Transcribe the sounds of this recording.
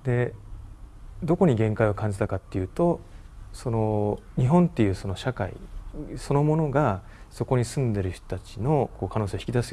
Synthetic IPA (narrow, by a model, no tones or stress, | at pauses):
d̪e̞ | d̪o̞ko̞ɲ̟iɡẽ̞ŋkaiokãɲ̟d͡ʑit̪akat̪ːe̞jɯ̟ːt̪o̞so̞no̞ɲ̟iɦõ̞nt̪ːejɯ̟ːso̞no̞ɕaka̰ḭso̞no̞mo̞no̞ɡa | so̞ko̞ɲ̟isɨ̃nd̪e̞ɾɯ̟çt̪o̥t̪at͡ɕino̞ko̞ːkʰano̞ːseoçi̥kʲid̪asɨ